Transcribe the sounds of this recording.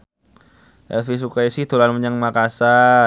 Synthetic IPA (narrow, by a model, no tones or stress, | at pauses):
ʔɛlfis̬ukaisiht̪ulanməɲaŋmakasa